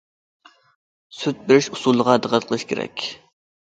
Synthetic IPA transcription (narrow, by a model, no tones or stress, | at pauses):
syt̪̚bɪɾɪʃu̥sulˠːəʁɑd̪əqət̪̚qʰəlˠɨʃkʲʰḛɾɛ̰kʲ